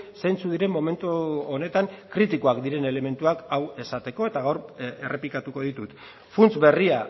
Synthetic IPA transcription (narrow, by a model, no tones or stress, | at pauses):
sejnt͡suðiɾe̞mːo̞me̞nt̪uone̞t̪aŋkɾit̪ikoakd̪iɾe̞ne̞le̞me̞nt̪uakawe̞sat̪e̞ko̞e̞t̪aɣawɾerʔe̞plikat̪uko̞ð̞it̪ut̪ | funt͡sbe̞ria